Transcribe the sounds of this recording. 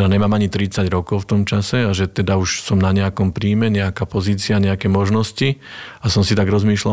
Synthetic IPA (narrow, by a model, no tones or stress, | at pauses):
aɲɛmaːmaɲit̪ɾit͡saɟɾɔkɔʊft̪ɔmt͡ʃasɛaʒɛt̪ɛd̪auʃsɔmnaɲɛakɔmpɾiːmɛɲɛakaːpɔziːt͡siaɲɛakɛːmɔʒnɔsciasɔmsit̪aɡɾɔzmiːʃla